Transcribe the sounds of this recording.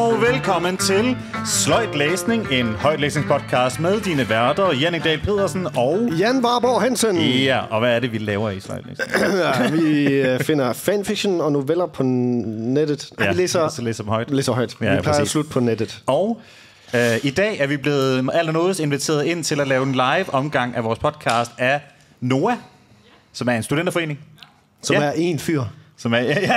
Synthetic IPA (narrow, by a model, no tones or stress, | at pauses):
ɒʊʋelkʰɒ̽mənt͡sʰe̝l | slɒ̽ɪd̥leːsne̝ŋe̝nhɒ̽ɪ̰d̥leːsne̝ŋspʰɒ̽d̥̚kʰɑ̈ːsd̥meðˠd̥iːnəʋæɐd̥ɐjenid̥ɛ̰lpʰe̝ð̰ˠɐsn̩ɒʊjænʋɑ̈ːb̥oːɦænsənæɒ̽ʋæːɐɾe̝ʋilɛːʊɐislɒ̽ɪd̥lḛːsʋife̝nɐfænfiɡ̥ɕonɒ̽no̝ʋel̰ɐpʰɒ̽ned̥ð̩ˠjælesɐsɒlḛːsɐd̥mhɒ̽ɪd̥leːsɐɦɒɪd̥jæipʰlɪɐ̰ːslud̥̚pʰɒ̽ned̥ð̩ˠɒʊ | øid̥ɛ̰ːæɐʋib̥le̝ːð̩ˠæl̰d̥æmɔ̽ːð̩ˠse̝nʋit͡sʰe̝̰ːɐð̩ˠe̝n̰t͡sʰe̝lælɛːʊenlɑ̈ɪʋɒ̽mɡ̥ɑ̈ŋ̰ʔæʋɒːspʰɒ̽d̥̚kʰɑ̈ːsd̥æ | no̝ːæ | sɒ̽mæɐe̝nsd̥uden̰d̥ɐfɒe̝̰ːne̝ŋ | sɒ̽mæɐe̝nfyɐ̰sɒ̽mɐjæ